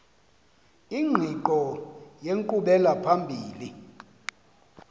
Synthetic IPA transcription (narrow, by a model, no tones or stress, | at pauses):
iŋ͡ǃʱiǃɔjeŋkuɓɛlapʰambʱiːli